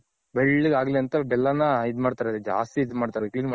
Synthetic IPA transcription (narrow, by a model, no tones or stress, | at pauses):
beɭːiɡaːɡleɐnt̪ɐbɛlːɐnɐid̪maːɖt̪aːɾed̪d͡ʒa̰ːst̪iːd̪maːɽt̪aːɾkid̪m